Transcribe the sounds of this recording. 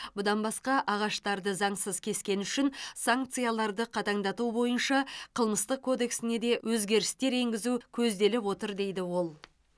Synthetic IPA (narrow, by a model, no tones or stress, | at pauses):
bʊd̪ɑnbɑsqɑʔɑʁɑʃt̪ɑɾd̪əzɑɴsəzkʲʰe̞skʲe̞nʏʃɪnsaŋk̚t̪sɨjalˠɑɾd̪əqʰɑt̪ɑɴd̪ɑt̪ubo̞jənʃɑqʰəlˠməst̪əq̚kʰo̞d̪e̞ksɪne̞d̪e̞wʔɵzɡʲe̞ɾɪst̪e̞ɾe̞ŋɡʲɪzukʲʰɵzd̪e̞lɪpwo̞t̪əɾd̪e̞jd̪ɪwo̞lˠ